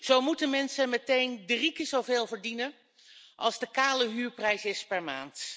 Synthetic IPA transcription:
z̥owmutənmɛnsənmɛtejndərikəzowveːlˠvəɹdinən | ʔɑ̰lˠzdəkaːləɦyːɹprɛjsɪspɛɹma̰ːnt

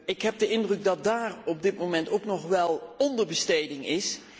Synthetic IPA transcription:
ɪkɦɛp̚dəɪndrɵɡ̚dɑt̚daːrɔb̚dɪtmowmɛntowknɔχʋɛlˠɔndəɹbəstejdɪŋɪs

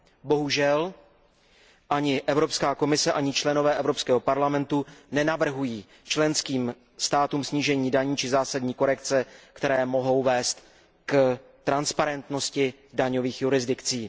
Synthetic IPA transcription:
bo̞ɦuʒɛl | ʔaɲɪʔɛvɾo̞pskaːko̞mɪsɛʔaɲɪt͡ʃlɛno̞vɛːʔɛvɾo̞pskɛːɦo̞paɾlamɛnt̪unɛnavr̩ɦujiː | t͡ʃlɛnskiːm | st̪aːt̪uːmsɲiːʒɛɲiːdaɲiːt͡ʃɪzaːsadɲiːko̞ɾɛkt͡sɛkt̪ɛɾɛːmo̞ɦo̞wvɛːst̪ | kt̪ɾanspaɾɛnt̪no̞scɪ | daɲo̞viːxjuɾɪzdɪkt͡siː

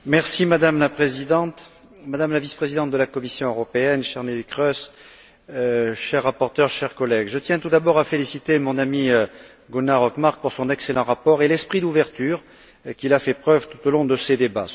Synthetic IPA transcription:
mɛʁsimad̪amlapχezid̪ɑ̃t̪ | mad̪amlavispχezid̪ɑ̃t̪̚d̪əlakɔmisjɔ̃øʁɔpeɛnʃɛʁnelikχœs | ʃɛʁːapɔʁt̪œʁʃɛʁkɔlɛɡʒət̪jɛ̃t̪ud̪abɔʁafelisit̪emɔ̃namiø | ɡunaʁɔkmaʁk̚puʁsɔ̃nɛkselɑ̃ʁapɔʁelɛspχid̪uvɛʁt̪yʁ | kʲilafɛpχœvt̪u̥t̪olɔ̃d̪əsed̪eba̰

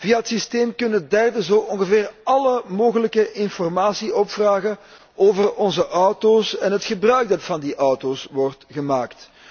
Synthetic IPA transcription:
viːaɦətsisteːmkɵnədɛrdəzoːʔɔŋɣəveːrɑləmoːɣələkəʔɪnfɔrmaːsiʔɔpfraːɣən | ʔoːvərɔnzəʔɔwtoːsɛnɦətxəbrœɥɡ̚dɑtfɑndiʔɔwtoːsʋɔrtɣəmaːkt

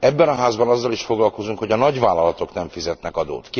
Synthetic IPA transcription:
ɛbːɛnɒɦaːzbɒnɒzːɒliʃfo̞ɡlɒlko̞zuŋkho̞ɟɒnɒɟvaːlːɒlɒt̪o̞knɛɱfizɛt̪nɛkɒd̪o̰ːt̪ki

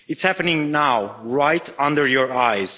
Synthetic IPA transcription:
ɨtshæpənɪ̃ŋnawɹajtʰʌ̃ndə˞jɔɹajz̥

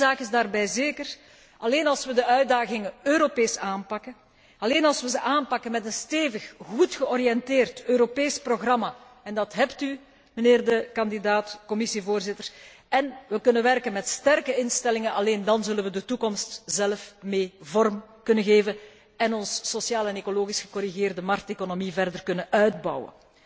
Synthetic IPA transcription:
zaːkɪzdaːrbɛjzeːkər | ɑleːnɑlˠsʋədəʔœɥ̚daːɣɪŋəøːɾopeːsaːnpɑkə | ɑleːnɑlˠsʋəzəʔaːnpɑkənmɛtənsteːvəxɣutxəɔɾijɛnteːrtøːɾopeːsproɣrɑma | ɛndɑtɦɛpty | məneːrdəkɑnd̪idaːtkɔmɪsivoːrzɪtər | ɛnʋəkɵnənʋɛrkənmɛtstɛrkəɪnstɛlɪŋənɑleːndɑnzɵlənʋədətukɔmstz̥ɛlfmeːvɔrmkɵnəɣeːvən | ɛnɔnsːosjaːlɛnekoloːɣisxə̥kɔɾiɣeːrdəmɑrk̚tekonomivɛrdərkɵnənœɥd̚bɑ̰wə̰n

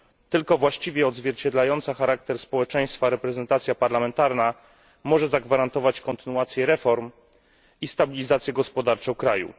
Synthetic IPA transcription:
t̪ɘlkɔvwaɕt͡ɕivʲjɛɔd̪zvʲjɛɾt͡ɕɛd̪lajɔnt̪saxaɾakt̪ɛɾspɔwɛt͡ʂɛj̃st̪faɾɛpɾɛzɛnt̪at̪sʲjapaɾlamɛnt̪aɾna | mɔʐɛzaɡvaɾant̪ɔvat͡ɕkɔnt̪ɘnuat̪sʲjɛɾɛfɔɾm | ist̪abʲilʲizat̪sʲjɛɡɔspɔd̪aɾt͡ʂɔ̃wkɾajṵ

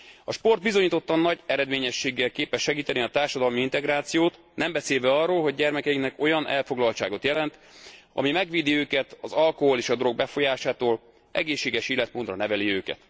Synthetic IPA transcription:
ɒʃpo̞rd̪bizo̞ɲiːt̪o̞t̪ːɒnːɒɟɛɾɛd̪meːɲɛʃːeːɡːɛlkeːpɛʃːɛɡiːt̪ɛniɒt̪aːrʃɒd̪ɒlmiint̪ɛɡraːt̪sijoːt̪ | nɛmbɛseːlvɛɒrːoːlɦo̞ɟɟɛrmɛkɛiknɛko̞jɒnʔɛ̰lfo̞ɡlɒlt͡ʃa̰ːɡo̞t̪jɛlɛnt̪ | ɒ̰mimɛɡʋiːd̪iøːkɛt̪ɒzɒlko̞ɦo̞leːʃɒd̪oro̞ɡ̚bɛfo̞jaːʃaːt̪oːl | ʔɛ̰ɡeːʃːeːɡɛʃiːlɛt̪moːd̪rɒnɛvɛliøːkɛ̰t̪

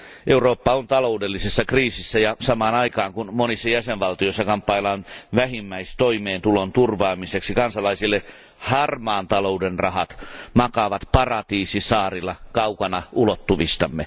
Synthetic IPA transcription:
ʔeuroːpːɑont̪ɑloudelːisesːɑkriːsisːæjɑsɑmɑːnɑikɑːŋkunmonisːɑjæseʋʋɑlt̪ioisːɑkɑmpːɑilɑnʋæhimːæist̪oimeːnt̪ulont̪urʋɑːmiseksikɑnsɑlɑisilːe | hɑrmɑːnt̪ɑloudenrɑhɑt̪mɑkɑʋɑt̪pɑrɑt̪iːsisɑːrilːˑɑkɑukɑnɑʔulot̪ːuʋist̪ɑmːe

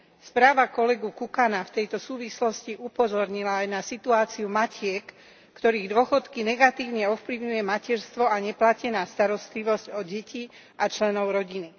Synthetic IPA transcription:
spɾaːʋakɔlɛɡukukanaft̪ɛjt̪ɔsuːʋislɔsciʔupɔzɔɾɲilaːjnasit̪uaːt͡siumacɪɛkː | t̪ɔɾiːɣd̪ʊɔxɔt̪kinɛɡat̪iːʊɲɛɔfpliʊɲujɛmacɛɾst̪ʋɔaɲɛplacɛnaːst̪aɾɔst̪liʋɔzcɔɟɛci | ʔat͡ʃlɛnɔʊɾɔɟini

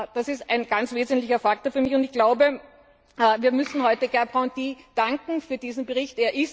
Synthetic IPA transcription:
d̥asɪstæ̰ɪnɡ̥ant͡sveːzn̩tlɪçɐfaktoɐfyːɐmɪçʊntɪçɡ̥laʊbə | viːɐmʏsn̩hɔʏtəɡ̥ɛɐpʁãʊndiːd̥aŋkŋ̩fyːɐd̥iːzn̩bəʁɪçteːɐʔɪs

